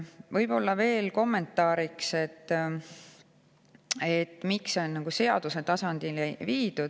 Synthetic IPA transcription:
vɤjbo̞lːɑve̞ːlko̞mːe̞nt̪ːˑɑːɾikse̞t̪ː | et̪ːmikso̞nːɑɡ̥use̞ɑd̪̥use̞t̪ɑsɑnd̪̥ilviːd̪̥ud̪̥

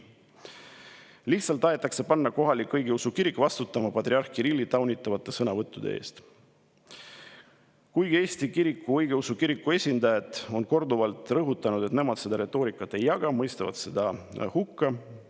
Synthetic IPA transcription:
liht̪sɑlt̪ːˑɑet̪ːˑɑkse̞pɑnːɑko̞ɦɑlikːɤjɡ̥eusukiɾikːˑvɑst̪ut̪ːˑɑmɑpɑt̪ɾiɑrkiɾilʲːit̪ɑwnʲit̪ːˑɑvɑt̪ˑːe̞sɤnɑvɤt̪ˑːud̪̥ḛḛːst̪ | kujɡie̞ːsʲt̪ikiɾikːˑuɤjɡeusukiɾikːue̞sʲind̪̥ɑjɑt̪ːˑo̞nko̞rd̪uvɑlt̪ˑrɤɦut̪ːˑɑnud̪̥e̞t̪ne̞mɑd̪se̞d̪̥ɑɾe̞t̪ːˑo̞ːɾikːˑɑt̪ːˑe̞jːɑɡ̥ɑmɤjst̪ɑvɑ̰d̪̥se̞d̪ɑhukːɑ

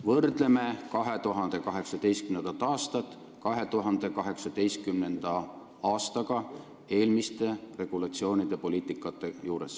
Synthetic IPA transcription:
vɤrd̪̥le̞me̞kɑɦe̞t̪uɦɑnd̪̥e̞kɑɦe̞ksɑd̪̥e̞jst̪kymnend̪ɑt̪ːˑɑːst̪ɑt̪ːˑ | kɑɦe̞t̪uɦɑnd̪̥e̞kɑɦe̞ksɑd̪̥e̞jst̪̚kymne̞nd̪̥ɑ | ɑːst̪ɑɡ̥ɑ | e̞ːlmist̪e̞re̞ɡ̥ulɑt̪sio̞ːnʲid̪̥e̞po̞liːt̪ːˑikːˑɑt̪ːˑe̞juːɾe̞s

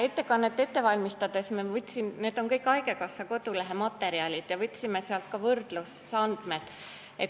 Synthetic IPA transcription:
e̞t̪ːe̞kɑnːet̪ːe̞t̪ːe̞vɑlʲmist̪ɑd̪̥e̞smevɤt̪ʲːsinne̞ːd̪̥o̞nkɤjkːɑjke̞kɑsːɑko̞d̪̥uleɦe̞mɑt̪ːˑe̞ɾiɑlʲit̪jɑvɤt̪ʲːsimeseɑlt̪̚kɑvɤrd̪̥lusːɑnd̪̥med̪̥ | et̪

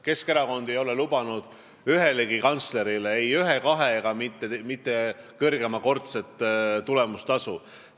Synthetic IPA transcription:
ke̞ske̞ɾɑko̞nd̪e̞jo̞le̞lub̥ɑnud̪̥ | yɦe̞leɡikɑnt̪sle̞ɾileejyɦe̞kɑɦe̞ɡ̥ɑmit̪ːˑemit̪ːe̞kɤrɡ̥e̞mɑko̞rt̪set̪ːˑt̪ule̞must̪ɑsu

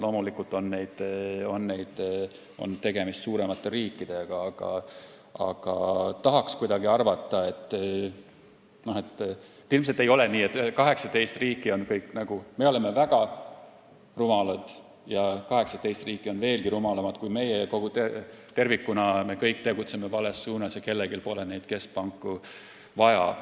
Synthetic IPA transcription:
lo̞ːmulikːˑult̪ˑo̞nːe̞jd̪̥o̞nːe̞jd̪̥ | o̞̰nt̪e̞ɡ̥e̞mist̪suːɾe̞mɑt̪ˑːe̞ɾiːkːid̪̥e̞ɡ̥ɑɑɡ̥ɑ̰ | ɑ̰ɡ̥ɑt̪ɑɦɑkskujd̪ɑɡiɑrvɑt̪ːˑɑe̞t̪ːˑ | no̞het̪ːˑet̪ːilmselt̪ːe̞jo̞le̞niːet̪kɑɦe̞ksɑt̪e̞jst̪riːkːˑio̞nkɤjkːnɑɡ̥ume̞o̞le̞mːe̞væɡ̥ɑ | rumɑlɑd̪̥ | jɑkɑɦe̞ksɑt̪e̞jst̪riːkːˑio̞nve̞ːlɡ̥iɾumɑlɑmɑd̪̥kujme̞jeko̞ɡ̥ut̪et̪e̞rvikːunɑme̞kɤjkːt̪e̞ɡut̪seme̞vɑle̞sːuːnɑsjɑke̞lːeɡilpo̞lene̞jd̪̥ke̞spɑŋkːˑu | vɑjɑ̰

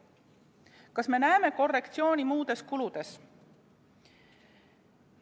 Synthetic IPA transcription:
kɑsme̞næeme̞ko̞rːe̞kt̪sio̞ːnʲimuːd̪̥e̞skulud̪̥e̞s

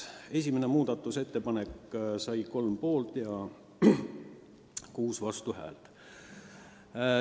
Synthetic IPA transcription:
e̞sʲimene̞muːd̪̥ɑt̪ːˑuse̞t̪ːe̞pɑne̞kːsɑjko̞lmpo̞ːlt̪jɑ | kuːsvɑst̪uhæ̰ːlt̪

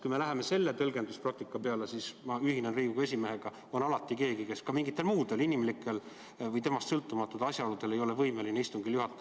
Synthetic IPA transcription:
kujme̞læɦe̞me̞se̞lːe̞t̪ɤ̞lɡ̥e̞nd̪usprɑk̚t̪ikːˑɑpe̞ɑlesismɑyɦinenriːɡ̥uɡɑes̬ʲime̞ɦe̞ɡ̥ɑ | o̞nɑlɑt̪ːˑike̞ːɡike̞skɑmiŋɡit̪ːˑe̞lmuːd̪̥e̞linimlikːˑe̞l | vɤjt̪e̞mɑst̪sɤlt̪ːˑumɑt̪ːˑud̪̥ɑsʲjɑolud̪̥e̞le̞jo̞le̞vɤjmelineist̪uŋɡ̥iljuhɑt̪ːˑɑ

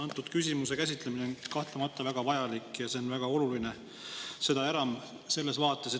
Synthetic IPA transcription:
ɑnt̪ːˑud̪̥kysʲimuse̞kæs̬ʲit̪ˑle̞minenkɑht̪lɑmɑt̪ːˑɑvæɡ̥ɑvɑjɑlikːˑjɑse̞onvæɡ̥ɑo̞luline̞ | se̞d̪ɑe̞ɾɑm | se̞lːe̞svɑːt̪ːˑe̞se

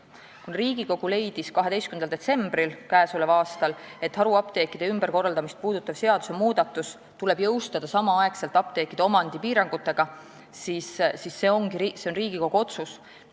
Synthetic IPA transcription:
kunriːɡ̥iko̞ɡ̥ule̞jd̪̥iskɑɦe̞d̪e̞jskymnd̪ɑld̪e̞t̪se̞mbrilkæesolevɑːst̪ɑle̞t̪ːˑhɑɾuɑpt̪e̞ːkːˑid̪e̞ymb̥erko̞rːɑld̪ɑmist̪̚puːd̪̥ut̪ˑːɑv̥se̞ɑd̪̥use̞muːd̪̥ɑt̪ːˑus | t̪ule̞bjɤ̞wst̪ɑd̪̥ɑsɑmɑɑekse̞lt̪ˑɑp̚t̪e̞ːkːˑid̪̥eo̞mɑnd̪̥ipiːɾɑŋɡ̥ut̪ːˑe̞ɡ̥ɑ | sissisːe̞o̞ŋɡiɾise̞o̞nriːɡ̥iko̞ɡ̥uo̞t̪sus

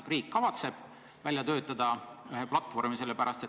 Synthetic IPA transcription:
riːkːɑvɑt̪se̞b̥ | vælʲjɑt̪ø̞ːt̪ːˑɑd̪̥ɑyɦe̞plɑt̪ːˑvo̞rmise̞lːepæɾʔɑst̪e̞

